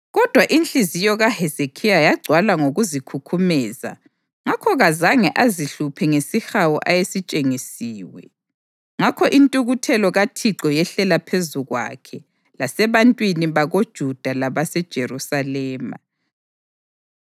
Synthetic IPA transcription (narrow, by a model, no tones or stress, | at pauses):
ɣɔd̥ʱwaʔint͡ɬʼizijɔɣahezekʰijajaɡ͡ǀʱwalaŋoɣuzikʰukʰumɛːza̰ | ŋakʰɔɣazaŋɛʔaziɬupʰɛŋesixawuʔajesit͡ʃʼeŋisiːwɛ | ŋakʰɔʔintʼuɣutʰɛlɔɣatʰiǁɔjɛɬɛlapʰezuɣwa̰kʰɛ | lasɛβantʼwiniβaɣod̥ʒ̥ʱud̥ʱalaβasɛd̥ʒ̥ʱeɾusalɛːma̰